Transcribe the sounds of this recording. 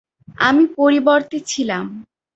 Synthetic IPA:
amipoɾiboɾt̪et͡ɕʰilam

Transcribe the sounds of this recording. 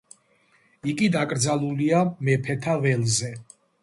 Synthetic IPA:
iɡʼid̪akʼɾd̪zalˠuliamɛpʰɛt̪ʰavɛlˠzɛ

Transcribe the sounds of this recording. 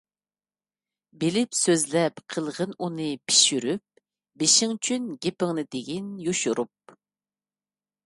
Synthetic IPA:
bɪlɪpsøzlɛpqʰəlˠʁənunɨpʰi̥ʃyɾyp̚ | beʃɪŋyt͡ʃʰynɡʲepɪŋnɨd̪eɡʲinjuʃuɾup̚

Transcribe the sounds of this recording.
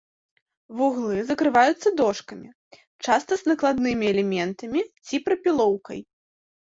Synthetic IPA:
vuɣlˠɨzɐkɾɨvajut̪sːɐd̪ɔʂkɐmʲi | t͡ʂast̪ɐznɐklˠad̪nɨmʲiɛlʲɛmʲɛnt̪ɐmʲit͡sʲipɾɐpʲilˠɔwkɐ̰j

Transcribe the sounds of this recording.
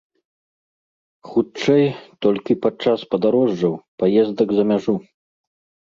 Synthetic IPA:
xut͡ʂɛjt̪ɔlʲkʲipat͡ʂaspɐd̪aɾɔʐːɐwpajɛzd̪ɐɡzɐmʲaʐu

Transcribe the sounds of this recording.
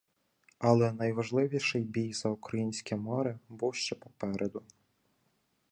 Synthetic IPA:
ɐlˠɛnɐjʋɐʒlˠɪʋʲiʃɪjbʲijzɐʊkɾɐjinʲsʲkʲɛmɔɾɪbuwʃt͡ʃɛpɔ̥pɛɾʔed̪ʊ

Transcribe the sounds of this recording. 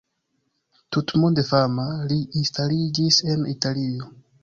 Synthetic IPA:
tutmondefamaliinstalid͡ʒise̞nitalio

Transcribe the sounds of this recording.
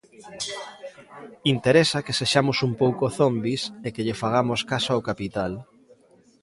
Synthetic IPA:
int̪eɾesakeseʃamosumpowkoθombisekeʎefaɣ̞amoskasaowkapit̪al

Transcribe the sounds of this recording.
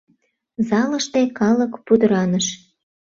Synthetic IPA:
zɑləʃt̪ekɑləkpud̪əɾɑnəʃ

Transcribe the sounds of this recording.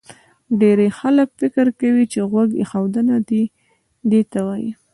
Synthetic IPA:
ɖeɾexaləkfɪkəɾkawit͡ʃeɣwaɡḛxawd̪ənad̪i | d̪et̪awajḭ

